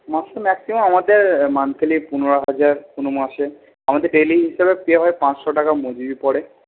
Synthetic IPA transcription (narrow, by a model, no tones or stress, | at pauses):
maʃemɛksimomamad̪eɾmant̪ʰelipunoɾoɦad͡ʑaɾpunomaʃe | amad̪eɾɖeliɦiʃebepeeɦɔepãt͡ɕʃɔʈakamod͡ʑibipɔɽe